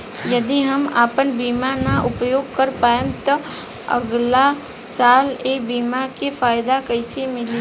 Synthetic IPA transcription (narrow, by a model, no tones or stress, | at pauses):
jɐd̪iɦɐmaːpənbiːmanaʔʊpjoːɡ̚kəɾpaːjemt̪ɔ | ɐ̰ɡla | saːleːbiːmakefʰaːjd̪akəɪsemɪl